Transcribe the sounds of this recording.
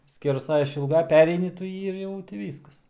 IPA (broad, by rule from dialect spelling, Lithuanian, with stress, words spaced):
sʲkʲɛrˈsɐɪ ɪʃʲɪlˠˈɡɐɪ ˈpʲæːrʲɛɪnʲɪ tʊ ˈjiː ɪr ˈjɛʊ tʲɪ ˈʋʲiːskɐs